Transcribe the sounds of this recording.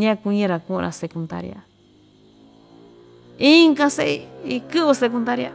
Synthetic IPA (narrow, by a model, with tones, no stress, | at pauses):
ɲã˦˧ku˧ɲĩ˧˦ɾa˧kũ˦˧ɾʔa̰˧se˧kũ˧nd̪a̰˦˧ɾja̰˧ | i˦ŋɡã˧se˦i˧i˧kɨ˦βu˧se˧k̬u˧nd̪a˦ɾja˦˧